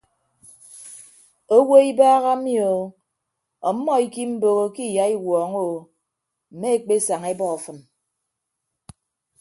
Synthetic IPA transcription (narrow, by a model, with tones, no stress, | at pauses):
o˦wo˦i˦baː˦ɣa˦mjo˨ | ɔ˨m̩˦mːɔ˦i˦ki˦m̩˦bo˨ɣo˦ki˦˨ja˨˦i˦wɔː˨ŋo˦˨ | m̩˨me˦e˦˨k͡pe˦sa˨ŋe˦bɔ˦ɔ˨fɨ˨n